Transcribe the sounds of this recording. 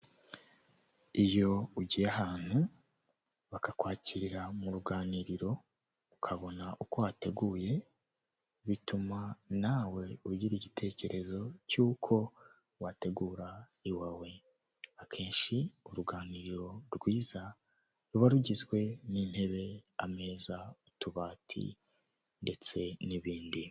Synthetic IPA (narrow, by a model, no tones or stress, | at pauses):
ijo̞uɟijaɦaːn̥hu | βakakwaːciɾiɾamuɾuɡaːniɾiɾo̞ | ukʰaβo̞naʔukowate̞ɡuːje̞ | βitumanaːwe̞uɟiɾiɟitʰe̞ːce̞ɾe̞zo̞cuːkʰo̞ | wate̞ɡuːɾa | iwawe̞ | akʰe̞ːnʃiuɾuɡaːniɾiɾo̞ɾɡwiːza | ɾuβaɾuɟizɡwe̞nin̥he̞βe̞ame̞ːzautuβaːtʰḭ | nde̞t͡se̞niβiːndi